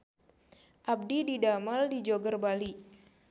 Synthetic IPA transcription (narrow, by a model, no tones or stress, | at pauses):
ʔab̚dididaməldid͡ʒoɡərbali